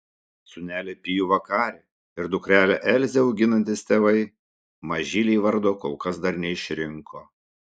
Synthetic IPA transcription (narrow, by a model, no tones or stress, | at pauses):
sʊnʲæːlʲɛpʲijuːʋɐkɑːɾʲeː | ɪɾd̪ʊkɾʲæːlʲɛʔɛlʲzʲɛʊɡʲɪnɐnʲt̪ʲɪst̪ʲeːʋɐɪ | mɐʒʲilʲɛːʋɐɾd̪oːkoʊkɐsd̪ɐɾnʲɛɪʃʲɾʲɪŋkʰoː